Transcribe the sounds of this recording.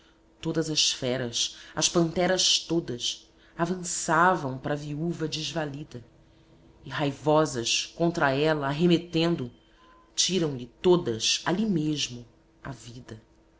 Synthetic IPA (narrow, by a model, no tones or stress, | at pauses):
t̪od̪ɐzɐsfɛɾɐsɐʃpɐ̃nt̪ɛɾɐʃt̪od̪ɐs | avɐ̃savɐ̃w̃pɾɐviuvɐd͡ʒɪʒvalid̪ɐ | ɪɦajvɔzɐʃkõnt̪ɾaɛlɐːɦemet̪ẽnd̪ʊ | t͡ʃiɾɐ̃w̃lɪt̪od̪ɐsa̰limeʒmʊ | a̰vid̪ɐ